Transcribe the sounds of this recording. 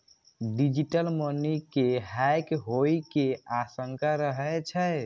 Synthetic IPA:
ɖid͡ʒiʈəlmənikeɦajkɦojkeasəŋkaɾəɦɛt͡ʃʰəj

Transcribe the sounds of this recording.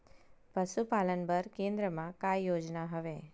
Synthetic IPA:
pəʃupalənbəɾkẽnd̪ɾəmãkajːod͡ʒnaɦəʋe

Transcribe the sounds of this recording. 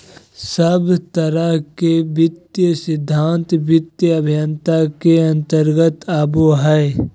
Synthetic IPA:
səbt̪ɐɾakebɪt̪jəsɪd̪ʱːaːnt̪bɪt̪jəɐbʱjənt̪akeɐ̃nt̪əɾɡət̪aːboɦɛe

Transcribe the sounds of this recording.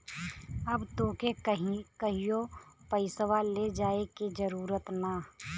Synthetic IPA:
ɐbt̪õːkekəɦikəɦijopəɪsəʋaled͡ʒaːekid͡ʒəɾuːɾət̪na

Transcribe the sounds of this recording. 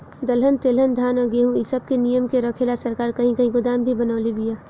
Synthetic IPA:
d̪ɐlɦənt̪eːlɦənd̪ʱaːnəɡeɦũisəb̚kenijəmkeɾɐkʰelasɐɾkaːɾkɐɦĩkɐɦĩɡʊd̪aːmbʱibənaːlibijaː

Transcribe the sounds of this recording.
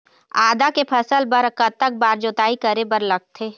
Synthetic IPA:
aːd̪akepʰɐsəlbɐɾkət̪ːək̚baːɾd͡ʒoːt̪aːikɐɾebəɾlɐɡ̚t̪ʰeː

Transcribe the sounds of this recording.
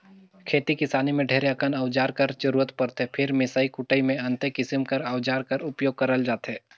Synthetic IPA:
kʰeːt̪ikɪsaːnimẽɖʱeːɾeakənəʊd͡ʒaːɾkɐɾd͡ʒɐɾuːɾət̪pɐɾt̪epʰɪɾmɪsaːikʊʈəimẽɐ̃nt̪ekɪsɪmkɐɾəwd͡ʒaːɾkɐɾʊpjoːɡ̚kɐɾəld͡ʒaːt̪ɦɛː

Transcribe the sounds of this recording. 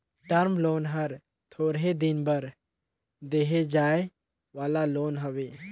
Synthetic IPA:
ʈəɾmloːnɦəɾ | t̪ʰoːɾɦed̪ɪnbəɾ | d̪eːɦed͡ʒaːe | ʋaːlaloːnɦɐʋeː

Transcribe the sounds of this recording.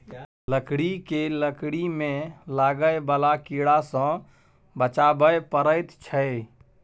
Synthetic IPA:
ləkɽikeləkɽimẽlaɡəjbalakiɽasə̃ | bət͡ʃabəjpəɾəjt̪t͡ʃʰəj

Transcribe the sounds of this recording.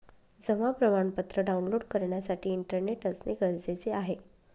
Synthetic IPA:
d͡zəmapɾəmaɳpət̪ɾəɖaunloɽkəɾɳjasaʈiːɳʈəɾneʈəd͡zneɡəɾd͡zet͡seaɦe

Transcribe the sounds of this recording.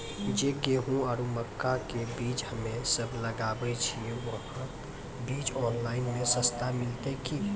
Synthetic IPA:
d͡ʒeɡeːɦũaɾuməkːakebiːt͡ʃhəmẽsəbʱləɡaːbet͡ʃʰiʋəɦã | biːt͡ʃɔːnlaːɪnmẽsə̃st̪amɪlt̪eki

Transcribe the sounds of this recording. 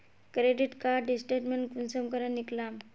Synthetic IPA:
kɾeɖiʈkaɖisʈeʈmeɳkunsəmkəɾaniklam

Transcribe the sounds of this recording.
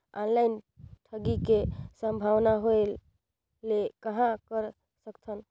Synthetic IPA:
anlajnʈʰəɡikesə̃mbʱawnaɦoelː | ekəɦãkəɾ | səkt̪ʰən

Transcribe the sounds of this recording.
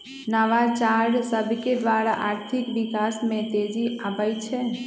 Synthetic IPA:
naʋat͡ʃaɾɖsəbʱked̪ʋaɽa̰ʔaɾt̪ʰikʋikasmẽt̪ed͡ʒiapəjt͡ʃʰɛ

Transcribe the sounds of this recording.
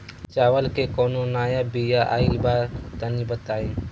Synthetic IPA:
t͡ʃaːʋəlkeːkoːnonaːjabijaʔa̰ːibaːt̪ənĩbət̪aːĩː

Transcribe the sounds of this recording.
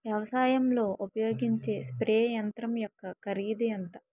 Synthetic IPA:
ʋjɐʋɐsaːjɐmlo̞ːʔupɐjo̞ːɡiɲt͡ʃe̞ːspɾɛːjɐnt̪ɾɐmjɔkːɐkɐɾiːd̪iɐnt̪ɐ

